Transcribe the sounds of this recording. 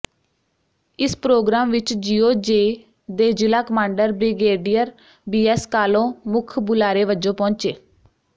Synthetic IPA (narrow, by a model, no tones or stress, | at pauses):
ɪspɾoːɡɾaːmʋɪt͡ʃd͡ʒiːoːd͡ʒeː | d̪eːd͡ʒɪlaːkəmãːɳɖəɾbɾɪɡeːɖijəɾ | biːɛːskaːlõːmʊkʰbʊlaːɾeːʋəd͡ʒõːpɔ̃ːɲt͡ʃeː